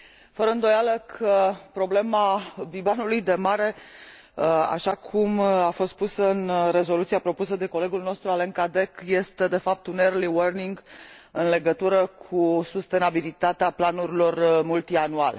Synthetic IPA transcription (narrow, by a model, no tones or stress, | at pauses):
fəɾəɨnd̪o̞jaləkʰəpɾo̞ble̞mabibanulujd̪e̞maɾe̞ | a̰ʃakʰumafo̞st̪̚pusəɨnre̞zo̞lut̪siapɾo̞put̪səd̪e̞ko̞le̞ɡulno̞st̪ɾualeŋkad̪e̞kje̞st̪e̞d̪e̞fap̚t̪unerliwərniŋɡɨnle̞ɡət̪uɾəkʰusust̪e̞nabilit̪at̪eaplanuɾilo̞rmult̪ianuale